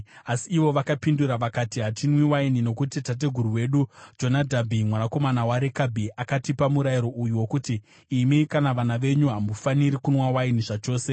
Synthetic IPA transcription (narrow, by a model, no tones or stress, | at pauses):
asiːʋo̞ʋakapinduɾaʋakatiɦatinwiwainino̞kutitat̬e̞ɡʱuɾuwe̞ɗud͡ʒo̞nadʱabʱimwanako̞manawaɾekabʱiʔakatipamuɾajiɾo̞ʔujuwo̞kutiː | mikanaʋanaʋe̞ɲuɦamufaniɾikunwawainiʐat͡ʃo̞ːse̞